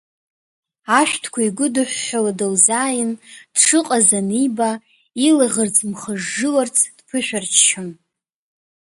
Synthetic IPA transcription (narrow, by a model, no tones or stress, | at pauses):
aʃʷᶣtʰkʷʰaiɡʷʊdɨħʷᶣːaladowzaːjɪnd̥ʂɨqʼazaniba | ilaʁərt͡sʰmχəʐːɨlart͡sʰd̥pʰɨʃʷᶣart͡ʃʰt͡ʃʰan